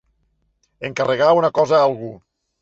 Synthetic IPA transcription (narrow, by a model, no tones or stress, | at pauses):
eŋkareɣaunakɔzaalˠɣu